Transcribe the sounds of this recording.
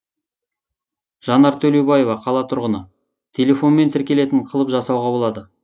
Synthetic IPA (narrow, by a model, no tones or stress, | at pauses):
ʒ̥ɑnɑɾt̪ʰɵlewbɑje̞vɑqʰɑlˠɑt̪ʰʊɾʁənə̰ | t̪ʲʰe̞lʲe̞fo̞nme̞nt̪ʰɪɾkʲe̞le̞t̪ɪɴqʰəlˠəpʒɑsɑwʁɑbo̞lˠɑd̪ə